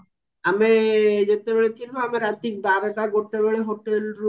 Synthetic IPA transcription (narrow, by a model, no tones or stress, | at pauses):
amed͡ʑet̪ebeɭet͡ʃilboameɾat̪ik̚baɾeʈaɡoʈːeβeɭeɦoʈelɾu